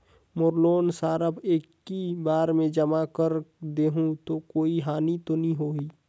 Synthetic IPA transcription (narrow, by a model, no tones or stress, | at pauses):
mʊɾloːnsaːɾəbeːkː | ibaːɾmẽd͡ʒəmakəɾd̪eːɦũt̪okoːiɦaːnit̪onĩɦoːiː